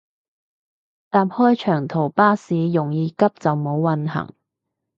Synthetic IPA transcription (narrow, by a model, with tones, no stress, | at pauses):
t̪aː˨m̚hɔː˥jt͡ʃʰœː˨˩ŋt̪ʰo˨˩wpaː˥siː˨˧jʊ˨˩ŋjiː˨˧kɐ˥p̚t͡sɐ˨wmo˨˧˥wːɐ˧nɦɐ̰˨˩ŋ